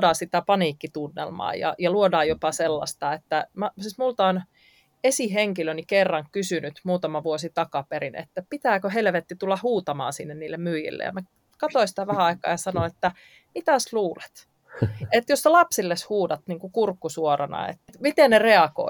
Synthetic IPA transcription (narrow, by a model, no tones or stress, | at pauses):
dɑːsit̪æpɑniːkːit̪unːḛlmɑ̰ːjɑ̰jɑluodɑːjjopɑselːɑ̰st̪ɑet̪ːæmɑsismult̪ɑon | esiɦeŋkilønikerːɑŋkysynyt̪muːt̪ɑmɑʋuosit̪ɑkɑpeɾinḛt̪ːæpit̪æːkøhelʋet̪ːit̪ulːɑhuːt̪ɑmɑ̰ːnsinːenniːlːemmyːjḭlːḛjɑ̰mæ | kɑt̪oisi̥t̪æʋæhæɑikˑɑ̰ːjɑsɑnonet̪ːæ | mit̪æsluːlet̪ | et̪josːelɑpsilːeshuːdɑt̪niːŋkukurkːusuorɑnɑ̰ḛt̪ːt̪mit̪ennereɑko̰